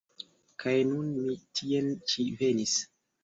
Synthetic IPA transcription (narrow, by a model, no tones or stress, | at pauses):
kʰajnunmitʰient͡ʃive̞nis